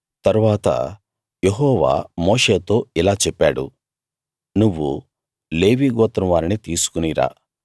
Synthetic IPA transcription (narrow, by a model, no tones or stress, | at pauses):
t̪ɐɾuʋaːt̪ɐ̰ | jeɦɔːʋa̰ːmo̞ːʂe̞ːt̪o̞ːilaːt͡ʃɛpːaːɽṵ | nuʋːṵ | le̞ːʋiːɡɔːt̪ːɾɐmʋaːɾinit̪iːsu̥kuniːɾa̰ː